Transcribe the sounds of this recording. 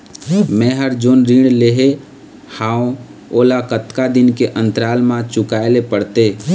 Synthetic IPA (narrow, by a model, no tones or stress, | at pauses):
mɛ̃ːɦəɾd͡ʒoːnɾiːɽ̃leɦe | hãːõ | oːlakət̪kad̪ɪnkeʔə̃nt̪ɾaːlmãt͡ʃʊkaːelepəɽt̪eː